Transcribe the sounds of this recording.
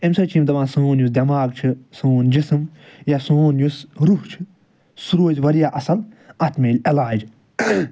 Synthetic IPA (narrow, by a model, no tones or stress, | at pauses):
emsɐt͡ʃʰimt̪ɐʋãːsɨːnjusd̪ʲɐmaːɡ̚t͡ʃʰisɨːnd͡ʒisɨmjasoːnjusɾuht͡ʃʰi̥ | suɾoːzʲʋɐɾijaːʔɐsɐlɐt̪meːlʲɐlaːd͡ʒ